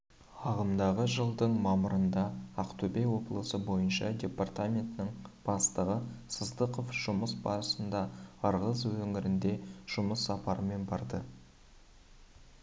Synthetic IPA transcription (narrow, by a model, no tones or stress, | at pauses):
ɑʁəmd̪ɑʁəʒəlˠd̪əɴmɑməɾənd̪ɑːqt̪ubʲejwo̞blˠəsəbo̞jənʃɑ̰dʲe̞part̪amʲe̞nt̪ɪnɪŋb̥ɑst̪əʁəsəzd̪əqo̞fʒ̥ʊməsbɑ̰ɾəsənd̪ɑɑɾʁəzwɵŋɪɾɪnd̪e̞ʒ̥ʊməsːɑpɑɾəme̞nbɑɾd̪ə